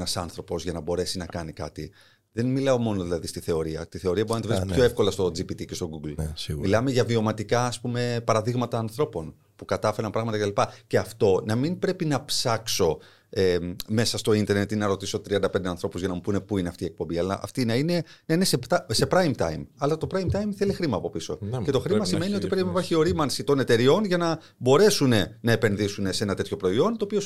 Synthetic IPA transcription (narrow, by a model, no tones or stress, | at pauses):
nɐsɐnθɾo̞po̞zʝɐnɐbo̞ɾe̞sinɐkɐnikɐ̰t̪i | ðe̞nmilɐo̞mo̞no̞ðilɐðist̪iθe̞o̞ɾiɐ̰t̪iθe̞o̞ɾiɐboɾinɐt̪evɾispçoefko̞lɐst̪o̞d͡zipit̪ice̞st̪o̞ɡuɡlsimilɐme̞ʝɐvio̞mɐt̪ikɐːspume̞pɐɾɐðiɣmɐt̪ɐːnθɾo̞po̞n | pukɐt̪ɐfe̞ɾɐnpɾɐɣmɐt̪ɐcet̪ɐlipɐce̞ɐft̪o̞nɐminpɾe̞pinɐpsɐkso̞ | eme̞sɐst̪o̞int̪e̞ɾne̞t̪inɐɾo̞t̪iso̞t̪ɾiɐnd̪ɐped̪eɐnθɾo̞puzʝɐnɐmupune̞puine̞ɐft̪iːe̞k̚pombiɐlɐ̰ʔɐ̰ft̪inɐine | nɐinesept̪ɐse̞pɾɐjmt̪ɐ̰jmɐlɐt̪o̞pɾɐjmt̪ɐjmθe̞lixɾimɐːpo̞piso̞̰ce̞t̪o̞xɾimɐsime̞nio̞t̪ipɾepinipɐɾçio̞ɾimɐnsit̪o̞ne̞t̪e̞ɾio̞nʝɐnɐ | bo̞ɾe̞sune̞nɐe̞pe̞nðisune̞see̞nɐt̪e̞t̪ço̞pɾo̞io̞nt̪oːpio̞